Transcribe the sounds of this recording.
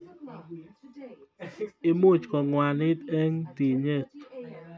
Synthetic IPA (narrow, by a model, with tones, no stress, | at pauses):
ɪ˦mu˦˨t͡ʃkɔ˨ŋwa˨nɪ˦t̪e˦ŋt̪i˨ɲe˦˨t̪